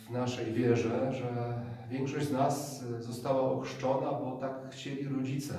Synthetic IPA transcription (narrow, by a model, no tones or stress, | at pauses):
vnaʂɛjvʲjɛʐɛʐɛvʲjɛŋkʂɔɕd͡ʑznas | zɔst̪awaɔxʂt͡ʂɔnabɔt̪akxt͡ɕelʲiɾɔd͡ʑit̪sɛ